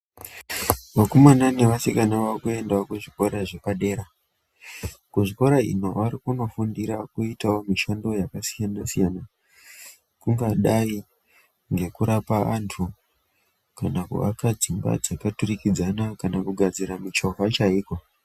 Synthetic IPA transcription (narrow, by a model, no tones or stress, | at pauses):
ʋakomanane̞ʋasikanaʋakue̞ndaokuʐiko̞ɾaʐe̞paɗe̞ːɾa | kuʐiko̞ɾaḭno̞ʋaɾikuno̞fundiɾakuitawo̞miʃando̞jakasijanasijana | kuŋɡaɗai | ŋɡe̞kuɾapaantʰu | kanakṵʔa̰kad͡zimba̰d͡zakaturikid͡zanakanakuɡʱad͡ziɾamut͡ʃo̞ɦat͡ʃaiːko̞